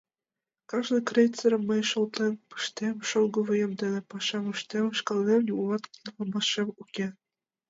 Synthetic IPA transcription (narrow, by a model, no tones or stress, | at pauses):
kɑʒnɤ̆krʲejt͡seɾʲmːɤ̆jʃŏlt̪empɯ̥ʃt̪emʃolˠɡɤ̆vɤ̆jɤ̆md̪ĕnĕpɑʃɑmɯʃt̪emʃkɑlˠnemjʲulɑt̪lɑmɑʃemukʲe